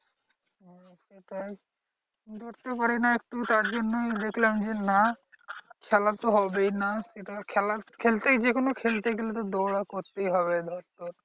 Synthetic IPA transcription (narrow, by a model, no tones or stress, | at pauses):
seʈaj | d̪ʱɔɾt̪epaɾenaek̚ʈut̪aɾd͡ʒonːojd̪ekʰlemd͡ʒena | kʰɛlat̪oɦɔbenaseʈakʰɛlakʰelt̪ed͡ʒekonokʰelt̪eɡelet̪od̪oɽakoɾt̪eiɦɔβed̪ʱɔɾt̪ɔɾ